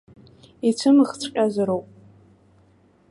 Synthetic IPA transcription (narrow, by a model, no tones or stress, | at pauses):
it͡sʷʰɨmɨχt͡sʷʰqʲʼazɨɾowpʼ